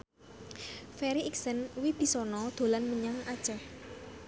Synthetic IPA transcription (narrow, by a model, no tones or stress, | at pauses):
fɛɾiiksənwib̥i̤sɔnɔd̪̥o̤lanməɲaŋad̥ʒ̥ɛh